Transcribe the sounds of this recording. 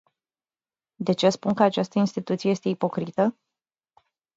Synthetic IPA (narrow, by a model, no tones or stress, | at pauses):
d̪e̞t͡ʃespunkəat͡ʃast̪əinst̪it̪ut̪siejest̪e̞ipo̞kɾit̪ə